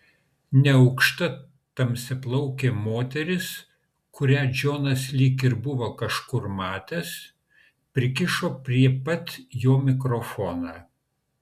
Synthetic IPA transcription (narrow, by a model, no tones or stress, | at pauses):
nʲɛɒʊkʃt̪ɐ | t̪ɐmʲsʲɪplˠɐʊkʲeːmoːt̪ʲɛɾʲɪs | kʊɾʲæːd͡ʒʲoːnɐslʲiːkɪɾbʊʋoːkɐʃkʊɾmɑːt̪ʲɛs | pʲɾʲɪkʲɪʃoːpʲɾʲiɛpɐt̪ʲjoːmʲɪkɾofoːnɑː